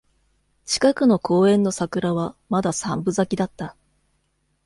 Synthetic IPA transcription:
t͡ɕi̥kakɯ̟no̞kʰo̞ːẽ̞nːo̞sakɯ̟ɾaβamad̪asãmbɯ̟zakʲid̪at̪ːa

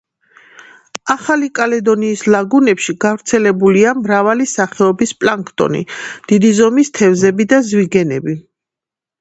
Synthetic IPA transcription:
aχalikʼalɛd̪ɔniːslaɡunɛpʃiɡavɾt̪sʰɛlɛbuliamɾavalisaχɛɔbispʼlaŋkʰʼt̪ʼɔ̰nḭd̪̥id̪izɔmist̪ʰɛvzɛbid̪azviɡɛnɛbi

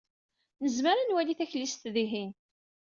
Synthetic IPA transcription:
nəzməɾanwæliθæçlist̪ðiɦin

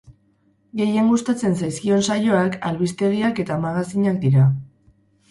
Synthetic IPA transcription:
ɡe̞je̞ŋɡust̪at͡se̞nsajskio̞nsajo̞akalβist̪e̞ɣiake̞t̪amaɣasiɲak̚d̪iɾa

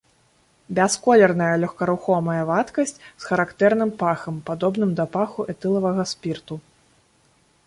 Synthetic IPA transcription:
bʲɛskɔlʲɛrnɐjɐlʲɔxkɐɾuxɔmɐjɐvat̪kɐsʲt͡sʲsxɐɾakt̪ɛrn̪ɨmpaxɐmpad̪ɔbnɨmd̪ɐpaxuʔɛt̪ɨlˠɐvɐɣɐspʲirt̪u

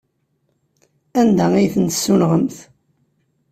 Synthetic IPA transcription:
ænd̪æijθənt̪ə̥sːulʁəmθ

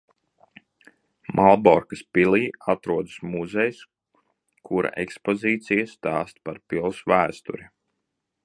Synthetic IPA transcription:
mʔalˠbɔɾkaspiliːat̪ɾuɔd̪ɨsmuzɛjs | kʰuɾa̰ʔekspoziːt̪sijast̪aːst̪̚paɾpilˠsʋæːst̪ṵɾi

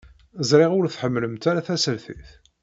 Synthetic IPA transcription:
zˤɾˤɪʁʊɾθħəmːləmt̪aɾaθæsəlθiθ

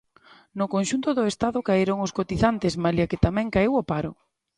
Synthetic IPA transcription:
nʊkonʃunt̪ʊðʊest̪aðʊkaeɾoŋʊskot̪iθant̪ɪsmaljakɪt̪amɛ̃ŋkaiwopaɾʊ̰

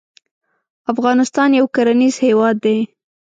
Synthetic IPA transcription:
afɣɑnɪst̪ɑnjawkaɾaniz̥hewɑd̪ːe

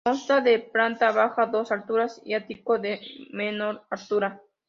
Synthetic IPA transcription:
onst̪aðepɾant̪aβaxaðosalt̪uɾasḭat̪ikoðemenoɾaɾt̪uɾa

